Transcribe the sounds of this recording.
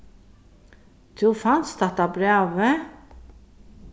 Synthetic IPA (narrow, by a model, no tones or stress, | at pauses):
d̪̥ʉfɑnst̪ɑt̪ɑbɾeːʋə